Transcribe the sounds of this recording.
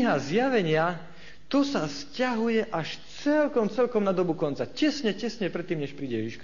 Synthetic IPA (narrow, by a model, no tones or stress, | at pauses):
ɦazjaʋɛɲɪa | t̪ɔsascaɦujɛʔaʃt͡sɛlkɔmt͡sɛlkɔmnad̪ɔbukɔnt͡sacɛsɲɛcɛsɲɛpɾɛt̪ːiːmɲɛʃpɾiːɟɛviʃka